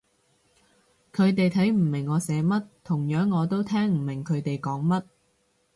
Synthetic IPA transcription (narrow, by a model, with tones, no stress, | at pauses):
kʰɵ˨˧ɥt̪e˨jt̪ʰɐ˨˥jm̩˨˩mɪ˨˩ŋːɔː˨˧sɛː˨˧mɐ˥t̚t̪ʰʊ˨˩ŋjœː˨˥ŋːɔː˨˧t̪o˥wt̪ʰɛː˥ŋm̩˨˩mɪ˨˩ŋkʰɵ˨˧ɥt̪e˨jkɔː˨˥ŋmɐ˥t̚